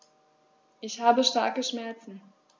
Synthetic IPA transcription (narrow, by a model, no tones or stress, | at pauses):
ʔɪçhaːbəʃta̰ɐkəʃmɛɐt͡sn̩